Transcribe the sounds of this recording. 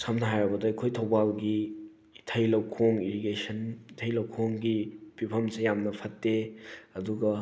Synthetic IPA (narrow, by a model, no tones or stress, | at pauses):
sɐmnɦajɾɐbɐdɐɐkʰojtʰowbalɡi | tʰɐjlɐwkʰoŋiɾiɡesɐntʰɐjlɐwkʰoŋɡipipʰɐmsejamnɐpʰɐtːeɐduɡɐ